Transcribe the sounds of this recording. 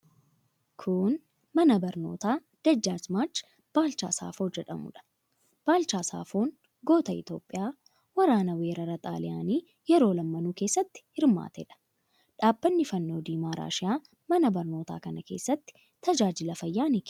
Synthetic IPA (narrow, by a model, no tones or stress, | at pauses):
kʰʊn | mɐnɐbɐɾno̞̰ːt̪aː | d̪̥ɐd͡ʒːaːsmaːt͡ʃː | b̥aːlt͡ʃa̰ːsa̰ːfo̞ːd͡ʒɛᶑɐ̰mʊ̰ᶑɐ̥ | b̥aːlt͡ʃaːsa̰ːfo̞ːn | ɡo̞ːt̪ɐɪ̰t̪jo̞̰ːpʼːɪjaː | wɐɾaːnɐwe̞ːɾɐɾɐt̪ʼa̰ːlɪja̰ːniː | jɛɾo̞ːlɐmːɐnuːke̞ːsːɐt̪ːɪ̥hɪɾma̰ːt̪ḛːᶑɐ̥ | ᶑaːbːɐnːɪfɐnːoːd̪iːmaːɾa̰ːʃɪjaː | mɐnɐbɐɾno̞ːt̪a̰ːkɐnɐke̞̰ːsːɐt̪ːɪ̥ | t̪ɐd͡ʒaːd͡ʒɪlɐfɐjːaːnik